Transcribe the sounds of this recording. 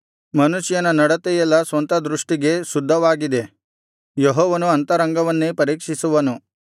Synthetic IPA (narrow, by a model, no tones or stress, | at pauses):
mɐnuʃjɐnɐnɐɽɐt̪ɛjɛlːɐsʋɐnt̪ɐd̪ɾuʂʈiɡe̞sud̪ʱːɐʋaːɡid̪e̞ | jeɦɔːʋɐnuɐnt̪ɐɾɐŋɡɐʋɐnːepɐɾiːkʂisuʋɐnu